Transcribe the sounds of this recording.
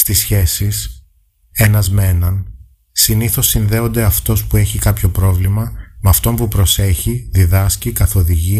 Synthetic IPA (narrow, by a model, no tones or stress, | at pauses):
st̪isçe̞sis | e̞nɐzmenɐn | siniθo̞sːinðe̞o̞nd̪e̞ɐft̪o̞spue̞çikɐpço̞pɾo̞vlimɐmɐft̪o̞mpupɾo̞se̞çiðiðɐscikɐθo̞ðiʝi